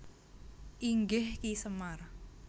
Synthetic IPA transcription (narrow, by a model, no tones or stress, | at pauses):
ʔiŋɡɪhkisəmar